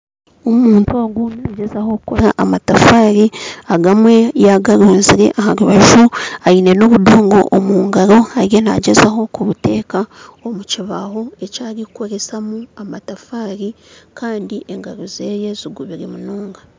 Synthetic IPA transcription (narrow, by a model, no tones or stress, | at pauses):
omuːntuaɡunaːɟezaho̞kukoɾaʔamatafaːɾiaɡamwe̞jaɡaɾuːnziɾe̞̰ʔahaɾuβaʒuaine̞no̞βudoːŋɡo̞̰ʔomuːŋɡaɾo̞aɾjena̰ɟezaɦo̞kuβute̞ːkaomuciβaɦo̞e̞caːɾiko̞ɾe̞samuamatafaːɾikʰaːndiʔeŋɡaɾozeːje̞ziɡuβiɾimunoːŋɡa